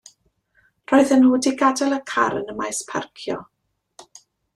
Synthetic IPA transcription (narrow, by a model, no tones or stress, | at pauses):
r̥ɔːɨðənhuːdiɡadɛlˠəkʰa̰ɾə̰nəmajspʰa̰rkʰjɔ̰